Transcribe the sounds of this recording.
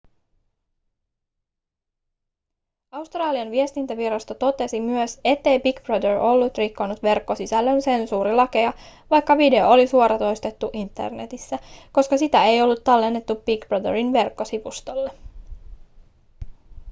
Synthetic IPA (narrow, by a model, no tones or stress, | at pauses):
ɑust̪rɑːliɑnʋiest̪int̪æʋiɾɑst̪ot̪o̞t̪e̞simyøse̞t̪ːe̞jbikb̥rɑd̪erʔo̞lːut̪rikːo̞nːut̪ʋe̞rkːo̞sisælːønse̞nsuːɾilɑke̞ɑʋɑjkːɑʋide̞oolisuoɾɑt̪o̞jst̪e̞t̪ːuʔint̪ːe̞̰rne̞̰t̪isːæko̞skɑsit̪æe̞jo̞lːut̪ːɑlːe̞nːe̞t̪ːub̥ikb̥rɑd̪eɾinʋe̞rkːo̞siʋust̪o̞lːe